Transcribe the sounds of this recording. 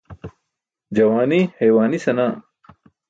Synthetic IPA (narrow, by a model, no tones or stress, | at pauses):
d͡ʑɐwaːnihejwaːnisɐnaː